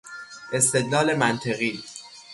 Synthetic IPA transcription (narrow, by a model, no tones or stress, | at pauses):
ʔe̞st̪e̞d̪lɒːle̞mænt̪ʰeɣiː